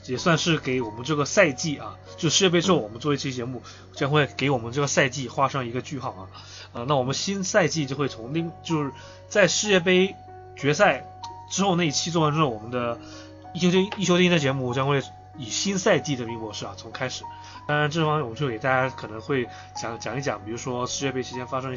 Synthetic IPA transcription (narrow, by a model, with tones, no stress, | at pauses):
jɛ˨˩swa˥˧nʂɻ̩˥˩ke˧˥ɪwɔ˨˩mə˦nʈ͡ʂɤ˥˩ɡə˩sa˥˧ɪt͡ɕi˥˩ʔɐ˩t͡ɕjo˥˧ʂ̩˥ʂɻ̩˥jɛ˥˧pe˥ɪʈ͡ʂɻ̩˥xo˥˩ʊwɔ˨˩mə˦nt͡swɔ˥˧˥t͡ɕi˥t͡ɕjɛ˧˥mu˥˩ | t͡ɕjɑ˥ŋxwe˥˩ɪke˧˥ɪwɔ˨˩mə˦nʈ͡ʂɤ˥˩ɡə˩sa˥˧ɪt͡ɕi˥˩xwa˥ʂɤ˥ŋi˧˥ɡə˧t͡ɕy˥˧xɑ˥˩ʊɐ˩ | ə˧na˥˩wɔ˩ə˦nə˦ɕi˥nsa˥˧ɪt͡ɕi˥˧t͡ɕjo˥˧ʊxwe˥˩ɪt͡sʰʊ˧˥ŋli˥˧˥t͡ɕjo˥˧ʊʂɻ̩˥˩ | t͡sa˥˧ɪʂɻ̩˥˧jɛ˥˧p̬e˥ɪ | t͡ɕɥɛ˧˥sa˥˩ɪ | ʈ͡ʂɻ̩˥xʊna˥˧i˥˩t͡ɕʰi˥t͡swɔ˥˧wa˥nʈ͡ʂɻ̩˥xwɔ˨˩mə˦nd̪ə˧ | i˥˩ɕjo˥i˥˩jo˥t̪i˥˧˥d̪t͡ɕjɛ˧˥mu˥˧˩t͡ɕjɑ˥ŋxwe˥˩ɪ | i˨˩ɕi˥nsa˥˧ɪt͡ɕi˥˩d̪ə˩mi˧˥kwɔ˧˥ʂɻ̩˥˩bɐ̰˨˩t͡sʰʊ˧˥ŋkʰa˥ɪʂɻ̩˨˩˦ | t̪ɑ˥ŋɻa˧˥nʈ͡ʂɤ˥˩fɑ˥˩m˥˧jt͡ɕʰke˨˩t̪a˥˩t͡ɕja˥kʰɤ˨˩nɤ˧˥ŋxwe˥˩ɪ | t͡ɕjɑ˨˧˥ŋt͡ɕjɑ˨˩˦ŋi˥˩t͡ɕjɑ˨˩˦ŋpi˨˩ɻu˧˥ʂwɔ˥ʂɻ̩˥˧ɥɛ˥˧pe˥ɪʂʰɻ̩˧˥t͡ɕjɛ˥nfa˥ʂɤ˥ŋ˧